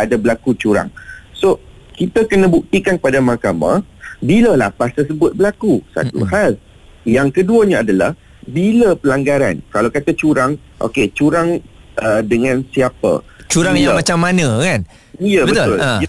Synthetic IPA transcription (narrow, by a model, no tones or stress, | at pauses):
adabəlakut͡ʃuɾa̰ŋso | kit̪əkənə̃buk̚t̪ikankəpadamakama̰biləlapast̪ərs̬əbʊt̪̚bəlakusa̰t̪ṵɦal | jaŋkəduəɲaadala̰h | biləpəlaŋɡaɾa̰nkalawkat̪at͡ʃuɾaŋ | ʔo̰ket͡ʃuɾaŋʔədəŋãnsiapə̰ | t͡ʃuɾaŋjaamat͡ʃamːanə̃kan | jəbəbət̪ʊl